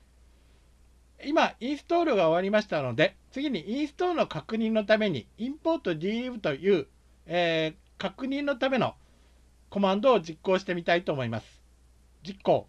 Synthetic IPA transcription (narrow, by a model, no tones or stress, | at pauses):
imaĩɰ̃sɨ̥t̪o̞ːɾɯ̟ɡaoβ̞aɾʲimaɕi̥t̪ano̞d̪e̞t͡sɨɡʲiɲ̟iʔĩɰ̃sɨ̥t̪o̞ːɾɯno̞kakɯ̟ɲ̟ĩnːo̞t̪ame̞ɲ̟ḭĩmpo̞ːt̪ːo̞d̪ʲiːɯ̟t̪o̞jɯ̟ː | eː | kakɯ̟ɲ̟ĩnːo̞t̪ame̞no̞̰ | ko̞mãnd̪o̞ːd͡ʑikːo̞ːɕi̥t̪e̞mʲit̪ait̪o̞ːmo̞imasɨ̥ | d͡ʑikːo̞̰ː